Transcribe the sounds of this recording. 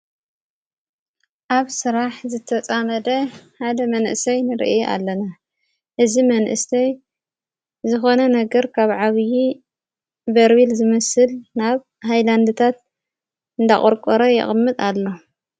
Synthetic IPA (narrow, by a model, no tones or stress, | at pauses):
ʔaβsɨɾaħzɨt̪ʰɐt͡sʼamɐd̪ɐħad̪ɐmɐnʔɨsɐjnɨɾ̰ʔʔa̰lːɐna | ʔɨzimɐnʔɨ̰st̪ʰɐj | zɨxo̞nɐnɐɡɐɾkʰaβʕaβji | bɐɾwilzɨmɐsɨlnaβ | ɦajland̪ɨt̪ʰat̪̚ | ɨnd̪aχʼɔɾkʼɔɾojɛ̰χʼmːɨt̪ʼalːo̞